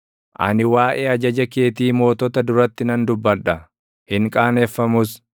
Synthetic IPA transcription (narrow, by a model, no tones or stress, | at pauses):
ʔɐ̰nɪwaːʔeːɐd͡ʒɐd͡ʒɐke̞ːt̪iːmo̞ːt̪ɔt̪ɐd̪ʊɾɐt̪ːɪnɐnd̪ʊbːɐᶑɐ | hɪŋkʼaːnefːɐmʊs